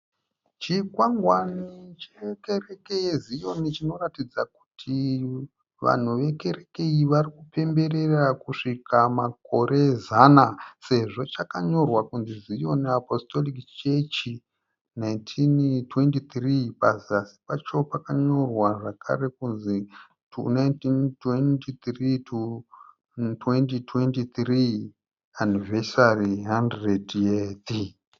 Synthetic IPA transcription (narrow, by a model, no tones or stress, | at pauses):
t͡ʃikwaŋɡwanit͡ʃekerekeizijo̞nit͡ʃino̞ratid͡zaku̥tʰi | ʋa̰n̤uʋe̞ke̞ɾe̞keiʋarikupe̞mbe̞re̞rakuʂikamako̞ɾʔe̞zanase̞ʐo̞t͡ʃakaɲo̞rwakunzizijo̞niapo̞sto̞likt͡ʃe̞t͡ʃi | najntʰintwe̞ntit̪ripaziasi̥pat͡ʃo̞pakaɲo̞rwaʐakʰa̰re̞kunzi | najntintwentit̪ritu | twentitwentit̪ri | anivesariɦandredet̪i